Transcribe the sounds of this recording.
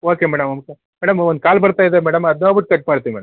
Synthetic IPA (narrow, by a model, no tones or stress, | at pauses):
oːkemɛːɽɐmɐmkɐ | mɛːɽɐmond̪̚kaːlbɐɾt̪aːjid̪emɛːɽɐmɐd̪noːbiʈ̚ːkɐʈ̚maːɽt̪iimɛːɽɐ